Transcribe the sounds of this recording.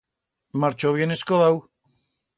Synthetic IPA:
maɾt͡ʃoβjeneskoðaw

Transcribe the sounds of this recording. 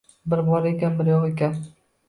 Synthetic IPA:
bɪɾbɒɾekʲanbɪɾjɒwekʲan

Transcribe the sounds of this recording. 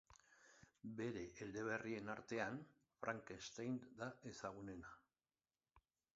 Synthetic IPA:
be̞ɾe̞ʔːld̪e̞β̞e̞rie̞naɾt̪e̞an | fɾʔaŋkest̪ejnd̪aʔesaɣ̞une̞na

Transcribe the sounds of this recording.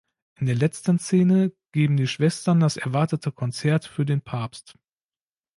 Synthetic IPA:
ʔɪndeːɐlɛt͡stənseːnəɡ̥eːbm̩diːʃv̥ɛstɐndasʔɛɐvaɐtətʰəkʰɔnt͡sɛɐtfyːɐdeːnpʰaɐpst

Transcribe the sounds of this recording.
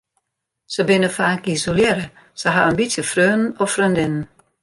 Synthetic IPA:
səbɪnəfaːkisoljeɾə | səɦa̰ənbisjəfrøːnn̩ɔfrøndɪnn̩

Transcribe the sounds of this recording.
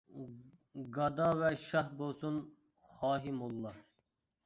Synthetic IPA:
ɡɑd̪ɑvɛʃɑɦbolˠsun | χɑːɦimolˠːɑ

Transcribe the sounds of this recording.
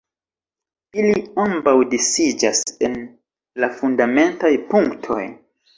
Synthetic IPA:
iliambawdisid͡ʒasen | lafundame̞ntajpuŋktʰo̞̰j

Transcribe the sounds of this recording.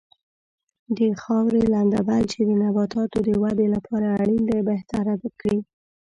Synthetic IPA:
d̪əxɑwɾeland̪abalt͡ʃed̪ənabɑt̪ɑt̪od̪əwad̪elapʰɑɾaːɽind̪abeht̪aɾawəkɽi

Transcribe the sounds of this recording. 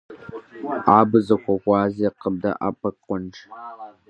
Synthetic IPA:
aːbɨzɐxʷɔxʷɑːzeːqəb̚dɐ̰ʔa̰ːpʼɐkqʼʷɔnd͡ʒ

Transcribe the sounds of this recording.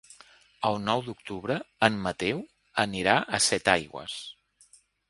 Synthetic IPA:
əlˠnɔwd̪uk̚t̪uβɾəəmːət̪ɛw | əniɾaʔəsɛt̪ajɣwə̰s

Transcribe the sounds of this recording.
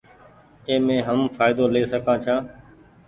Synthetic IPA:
eːmẽːɦəmfaːɪd̪oːleːsəkʰãːt͡ʃʰãː

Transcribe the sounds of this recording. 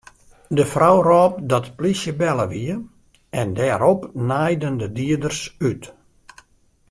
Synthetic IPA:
dəfrawrɔːp̚dɔtplisjəbɛləʋiə | ɛndɛːɾɔpnajdəndədiədərsyt

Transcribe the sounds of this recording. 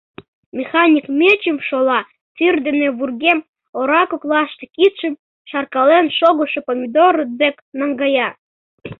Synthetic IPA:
mʲexɑnʲikmʲet͡ɕəmʃolɑ | t͡syrd̪eneβurɣem | oɾɑkoklɑʃt̪ekit̪ʃə̆n | ʃɑrkɑlenʃoɣoʃepomʲid̪oɾəd̪eknɑŋɡɑjɑ

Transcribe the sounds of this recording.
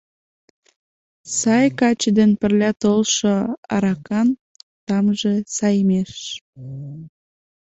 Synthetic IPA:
sɑjkɑt͡ɕəd̪enpə̆rlʲɑt̪olʃoɑ̰ɾɑkɑn | t̪ɑmʒesɑjmeʃ

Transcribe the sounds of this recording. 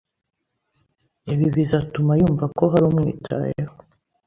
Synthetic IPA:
eβiβizatumajuːɱvako̞ɦaɾumŋḭːtʰa̰jeho

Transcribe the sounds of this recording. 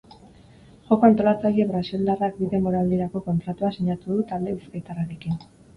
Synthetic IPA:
ʝo̞ko̞ant̪o̞lat͡saʎe̞βɾasild̪arak̚biðe̞moɾald̪iɾako̞ko̞nt̪ɾat̪uasiɲat̪uðut̪ald̪e̞βiskajt̪araɾe̞kin

